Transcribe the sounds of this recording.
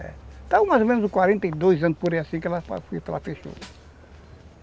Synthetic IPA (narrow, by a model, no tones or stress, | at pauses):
ɛ̰t̪ãmajzomẽnʊzʊkwaɾẽnt̪ɐid̪ojzɐ̃npoɾɛasĩkɛlɐpa̰fujɐpelɐfeʃo̰ɾɐ